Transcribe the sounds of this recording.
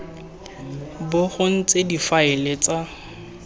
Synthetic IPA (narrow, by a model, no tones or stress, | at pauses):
bʊχʊn̩t͡sedifaɪlet͡sa